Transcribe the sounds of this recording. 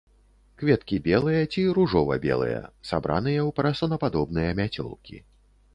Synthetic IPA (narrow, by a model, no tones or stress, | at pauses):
kvʲɛt̪kʲibʲɛlˠɨjɐt͡sʲiɾuʐɔvɐ̰bʲɛ̰lˠɨ̰jɐ̰sa̰bɾa̰nɨjɐwpɾɐsɐnɐpad̪ɔbnɨjɐmʲat͡sʲɔ̰lˠkʲḭ